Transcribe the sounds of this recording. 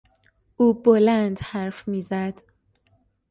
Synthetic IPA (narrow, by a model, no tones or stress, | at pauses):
ʔuːbolænd̪hæɾfmiːzæd̪̥